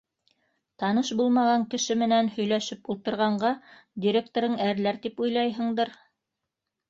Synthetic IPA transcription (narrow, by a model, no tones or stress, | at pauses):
t̪ɑnɤʃbulˠmɑʁɑŋkɘ̆ʃɘmɘ̆nænhɵ̆jlæʃɘpulˠt̪ɤ̆ɾʁɑɴɢɑd̪ʲiɾʲek̚t̪oɾɤɴæɾlæɾt̪ipujlˠɑjɦɤ̆ɴd̪ɤɾ